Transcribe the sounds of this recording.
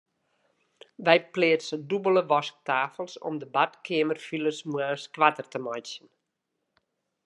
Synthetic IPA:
ʋɛjpleətsədubələʋɔsk̚taːfəlˠsɔ̰mdəbatkʰɪəmərfiləsmwəskʋatərtəmɔjsjən

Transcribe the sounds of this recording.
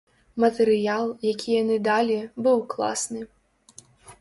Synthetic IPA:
mɐt̪ɛɾɨjalˠjakʲijanɨd̪alʲibɨwklˠa̰snɨ

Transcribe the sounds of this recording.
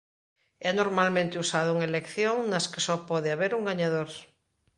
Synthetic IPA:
ɛnoɾmalmẽnt̪eusaðouŋaelekθjoŋnɐskesɔpɔðeaβeɾuŋɡaɲaðoɾ

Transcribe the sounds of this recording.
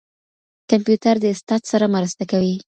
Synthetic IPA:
kampjut̪aɾd̪əɪst̪ɑt̪saɾamaɾast̪akawi

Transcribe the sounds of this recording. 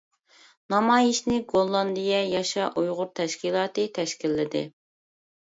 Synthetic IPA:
nɑmɑːjiʃnɪɡolˠːɑnd̪ijɛjɑʃɑʔujʁʊɾt̪ʰɛʃkʲilˠɑːt̪ɨt̪ʰɛʃkʲilːɪd̪ɪ̰

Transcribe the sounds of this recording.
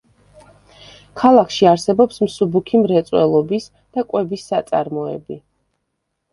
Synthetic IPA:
kʰalˠakʰʃiaɾsɛbɔpsmsubukʰimɾɛt̪sʼwɛ̰lˠɔbis | d̪̥akʼwɛbisːat̪sʼa̰ɾmɔɛ̰bi

